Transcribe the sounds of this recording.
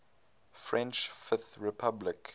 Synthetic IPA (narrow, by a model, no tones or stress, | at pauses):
fɹɛ̃nt͡ʃfɪθɹɪpʰablɪk